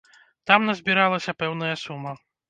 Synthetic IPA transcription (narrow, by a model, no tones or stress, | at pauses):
t̪amnɐzʲbʲiɾalˠɐsʲɐpɛwn̪ɐjɐsumːɐ